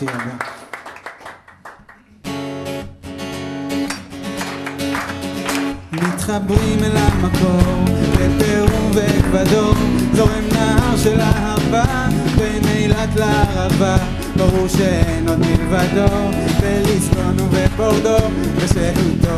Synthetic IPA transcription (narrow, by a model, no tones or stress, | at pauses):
mit̪χabʁimlamako̞ʁvepeʁuvelvad̪o̞zo̞ʁemnaɦaʁʃelahava | venejlat̪laaʁava | baʁuʁʃeenot̪milvad̪o̞ | velisbonuveboʁd̪o | veʃeɦit̪o